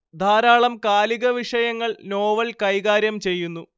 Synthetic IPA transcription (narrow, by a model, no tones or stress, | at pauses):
d̪ʱaːɾaːɭɐmkaːliɣɐʋiʂɐjɐŋːɐɭno̞ːʋɐlkɐjɣaːɾjɐmt͡ɕe̞jːunːu